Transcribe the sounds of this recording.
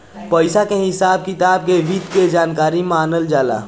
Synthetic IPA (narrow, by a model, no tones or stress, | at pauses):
pəɪsakeɦɪsaːb̚kɪt̪aːb̚keʋid̪ked͡ʒaːnkaːɾimaːnəld͡ʒaːla̰ː